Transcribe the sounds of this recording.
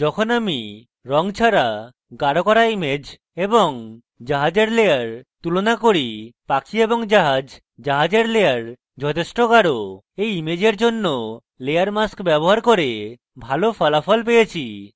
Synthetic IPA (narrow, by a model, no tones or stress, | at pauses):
d͡ʒɔkʰonami | ɾɔŋt͡ʃʰaɾa | ɡaɽokɔɾaimed͡ʑ | ebɔŋ | d͡ʒaɦad͡ʑeɾlejaɾt̪ulonakoɾipakʰieboŋd͡ʒaɦad͡ʑ | d͡ʒaɦad͡ʑeɾlejaɾ | d͡ʒɔt̪ʰesʈoɡaɽo | ejimed͡ʑeɾd͡ʒonːo | lejaɾmaskbɛboɦaɾkoɾe | bʱalopʰɔlafɔlp̬ejet͡ɕʰi